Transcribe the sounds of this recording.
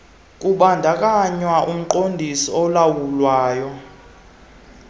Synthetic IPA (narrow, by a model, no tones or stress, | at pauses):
kʼuɓandʱak̬ʼaɲwaʔum̩ǃondʱisɔɔlawulwaːjɔ